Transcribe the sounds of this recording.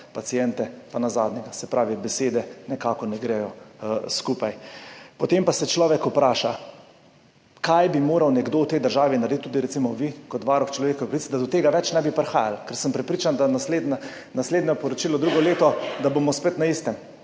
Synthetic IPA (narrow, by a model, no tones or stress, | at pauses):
pat̪siɛnt̪ɛpanazaːd̪nʲɛɡasɛpɾaːʋibɛseːd̪ɛnɛkaːkɔnɛɡɾɛjɔskupajpɔt̪empasɛt͡ʃlɔːʋɛkʊpɾaːʃa | kajbimoːɾawnɛɡd̪owt̪ɛjd̪əɾʒaːʋinaɾd̪it̪t̪ːuːd̪iɾɛt̪simɔʋikɔt̪ʋaːɾɔxt͡ʃlɔʋeːkɔɛpɾɐʋit͡s̪d̪ad̪ɔt̪eːɡaʋɛt͡ʃnɛbipɾɛxaːjalkɛɾsəmpɾɛpɾiːt͡ʃand̪anasled̪na | nasleːd̪nɛpɔɾɔt͡ʃiːlɔd̪ɾuːɡɔleːt̪ɔd̪abomɔspet̪naist̪ɛm